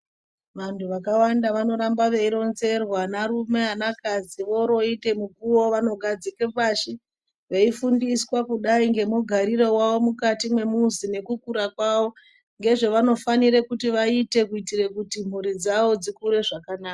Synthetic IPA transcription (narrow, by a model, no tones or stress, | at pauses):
ʋantʰuʋakawandaʋano̞ɾambaʋe̞iɾo̞nze̞rwanaɾume̞ɦanakad͡ziʋo̞ɾo̞ite̞mukuwo̞ʋano̞ɡʱad͡zike̞paːʃi | ʋe̞ifundiswakuɗaiŋɡe̞muɡʱaɾiro̞waʋo̞mukatimwe̞muzine̞kukuɾakwaʋo̞ | ŋɡe̞ʐe̞ʋano̞faniɾekutiʋaite̞kuitirekutim̤uɾid͡zaʋo̞d͡zikuɾe̞ʐakanaːka